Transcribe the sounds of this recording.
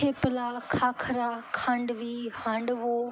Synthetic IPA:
eːpəlaːkʰaːkʰəɾakʰãɳɖʋiːhãːɳɖʋoː

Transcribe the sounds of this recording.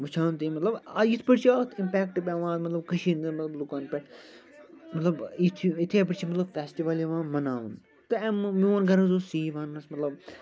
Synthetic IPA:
ʋɐt͡ʃʰaːnt̪imɐt̪lɐbɐjit̪ʰpɐɽt͡ʃʰiat̪ʰimpʲɛːkʈɨbʲɛʋãːt̪mɐt̪lɐbkɐʃiːnd̪ɨnmɐt̪lɐblukaːnpʲɛʈ | mɐt̪lɐbit̪ʰiit̪ʰeːpɐɽt͡ʃʰimɐt̪lɐbfɛːsʈiʋɐliʋãːmɐnaːʋun | t̪ɨɛmmioːnɡɐɾɐ̃nzoːsiːʋãːnːɐsmɐt̪lɐb

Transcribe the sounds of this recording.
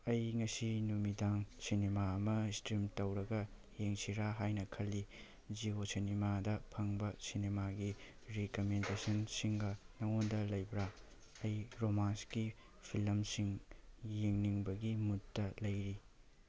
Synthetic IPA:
ɐjŋɐsinumidaŋsinemaɐmɐistɾimtɐwɾɐɡɐ | jeŋsiɾaɦajnɐkʰɐlːi | d͡ʒiosɐnimadɐpʰɐŋbɐsinemaɡi | ɾikomendesɐnsiŋɡɐnɐŋondɐlɐjbɾa | ɐjɾomanski | pʰilɐmsiŋjeŋniŋbɐɡimutːɐlɐjɾi

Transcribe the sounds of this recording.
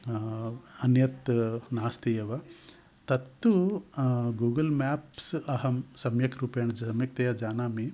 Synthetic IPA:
ɐnjɐt̪naːst̪ijɐʋɐ | t̪ɐt̪ːu | ɡuːɡɐlmaːpsɐɦɐmsɐmjɐkɾuːpeːɳɐd͡ʒɐsɐmjɐk̚t̪ɐjɐd͡ʒaːnaːmi

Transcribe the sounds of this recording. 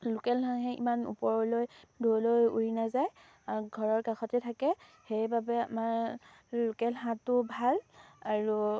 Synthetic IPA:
lʊkɛlɦãɦɛḭmanṵpɔɹlojdʱolojṵɹinazaj | aɡʱɔɹɔɹkaxɔtɛtʰakɛ | xejbabɛamaɹ | lukɛlɦãtʊbʱalaɹu

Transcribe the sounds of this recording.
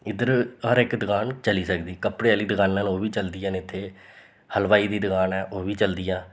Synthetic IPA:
ɪd̪əɾɦəɾɪkd̪əɡaːnt͡ʃəliːsəkd̪iːkəpɽeːəliːd̪əɡaːnːãːnoːʋiːt͡ʃəld̪ɪjãːnɪt̪ʰːeː | həlʋaːiːd̪iːd̪əɡaːnɛːʔoːʋiːt͡ʃəld̪ɪjãː

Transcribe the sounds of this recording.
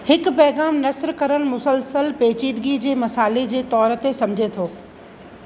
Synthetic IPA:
hɪkpɛɦɣaːmnɐsɾkɐɾəɽ̃̆mʊsəlsəlpeːt͡ɕiːd̪ɡid͡ʑeːmɐsaːled͡ʑeːt̪ɔːɾt̪esɐmd͡ʑʱet̪ʰoː

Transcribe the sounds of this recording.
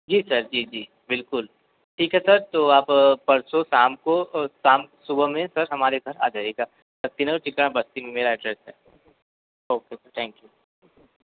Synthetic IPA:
d͡ʒiːsɐɾd͡ʒiːd͡ʒiː | bɪlkʊl | ʈʰiːkɦɛsɐɾt̪oːaːppɐɾsosaːmkosaːmsʊbmẽsɐɾɦɐmaːɾeɡʱɐɾa̰ːd͡ʒaːeɡa | sɐt̪inət͡ʃɪkɽ̃ãbɐst̪imẽmeːɾaɪɖɾɛːsɦɛ̰ː | oːkesɐɾt̪ʰɛ̃ːŋkjuː

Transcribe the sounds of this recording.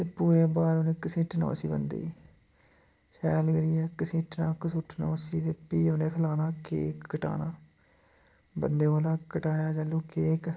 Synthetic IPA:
t̪eːpuːɾeːbaːɾonẽːkəsɪ̃ːʈnõ̰ːsiːbə̰nd̪ḭː | ʃɛːlɡəɾiːɛːkəsĩːʈnaːkəsʊʈʰnõːsiːt̪eːpiːʊnẽːkʰəlaːnaːkḛːkːəʈa̰ːnaː | bə̰nd̪eːʋaːlaːkəʈaːjaːd͡ʒəlːuːkeːk

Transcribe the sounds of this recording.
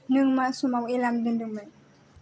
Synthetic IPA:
nɨŋmaʔsumawilamdəndumə

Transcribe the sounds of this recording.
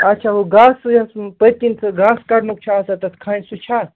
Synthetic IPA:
ɐtːt͡ʃʰaɦoɡãsjɐspət̪ʲint͡sʰɨɡãːskɐɾnuk̚t͡ʃʰaːsɐt̪ɐt̪ʰkʰaːnʲsut͡ʃʰa

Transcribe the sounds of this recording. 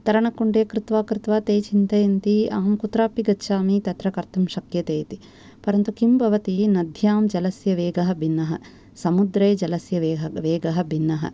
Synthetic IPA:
t̪ɐɾɐɳɐkːuɳɖeːkɾɪt̪ʋaːkɾit̪ʋaːt̪eːt͡ʃint̪ɐjɐnt̪iaːmkut̪ɾaːpiɡɐtːʃaːmit̪ɐt̪ɾɐkɐɾt̪ɐmʃɐkjɐt̪eːt̪i | pɐɾɐnt̪ukimbʱɐʋɐt̪inɐd̪ʱjaːmd͡ʒɐlɐsjɐʋeːɡɐɦɐbʱinːɐɦɐ̰ | sɐmud̪ɾeːd͡ʒɐlɐsjɐʋeːɦɐʋeːɡɐɦɐbʱinːɐɦɐ̰

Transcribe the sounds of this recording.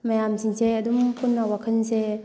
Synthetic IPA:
mɐjamsiŋseɐdumpunːɐwakʰənse

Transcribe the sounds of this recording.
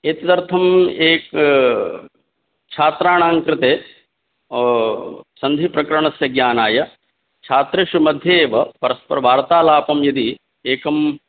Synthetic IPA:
eːt̪ɐt̪ɐɾt̪ʰɐmeːk | t͡ʃʰaːt̪ɾaːɳaːŋkɾɪt̪eː | sɐnd̪ʱipɾɐkɐɾɐɳɐsjɐɡjaːnaːjɐ | t͡ʃʰaːt̪ɾeʃumɐd̪ʱjeːʋɐpɐɾɐspɐɾɐbʱaːɾɐt̪aːlaːpɐmjɐd̪i | eːkɐm

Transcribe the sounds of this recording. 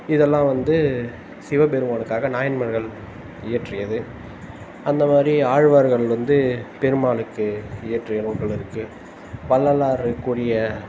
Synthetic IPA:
ɪðɛlːãːʋɐnd̪ɯ | sɪʋɐpɛɾɯmaːnɯkːaːɣɐnaːjɐnmɐɾɣɐɭ | ɪjɐʈrɪjɐðɯ | ɐnd̪ɐmaːd̪ɾiaːɻʋaɾɣɐɭʋɐnd̪ɯpɛɾɯmaːɭɯkːɯɪjɐʈrɪjɐnuːɾɣɐɭɪɾɯkːɯ | pɐlːɐlaːɾɯkːuːɽɪjɐ

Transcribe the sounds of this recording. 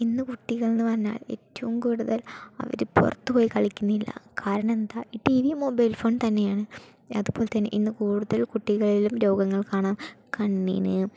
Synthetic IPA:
inːɨkuʈːiɣɐɭinːɨʋɐrɐɲːa̰ːɭe̞̰ːtːɐʋumkuːɽuðɐlɐ̰ʋɐ̰ɾɨpṵrɐt̪ːupoːjikɐɭikʲːunːilːɐ̰kʰaːɾɐɳɐ̃mend̪aiʈiʋimo̞bɐjlfo̞ːnt̪ɐnːe̞jaːɳɨ | ɐðɨbo̞ːlet̪ɐnːeʔinːɨkuːɽuðɐlkuʈːiɣɐɭilumɾo̞ːɡɐŋːɐɭkaːɳaːmkɐɳːḭnɨ

